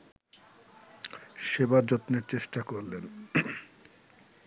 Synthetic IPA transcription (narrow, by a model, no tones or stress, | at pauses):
ʃebaɾd͡ʑot̪neɾt͡ɕeʃʈakoɾlen